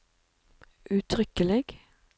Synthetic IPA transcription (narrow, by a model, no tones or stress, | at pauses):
ʔʉːt̪ʰʁʏkəlɪɡ